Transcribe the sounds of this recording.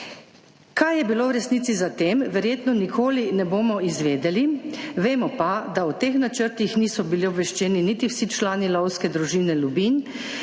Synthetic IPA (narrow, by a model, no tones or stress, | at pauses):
kajɛbilowɾɛsniːt̪sizat̪eːmʋɛɾjeːt̪nɔnikʰoːlinɛboːmɔizʋeːd̪ɛliʋeːmɔpad̪aut̪eːxnat͡ʃəɾt̪ixniːsɔbiliobʋɛʃt͡ʃɛːninit̪iwsit͡ʃlaːnilɔwskɛd̪ɾuʒiwnɛlubin